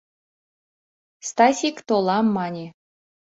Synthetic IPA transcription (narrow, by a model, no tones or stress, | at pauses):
st̪ɑsʲikt̪olˠɑmːɑnʲe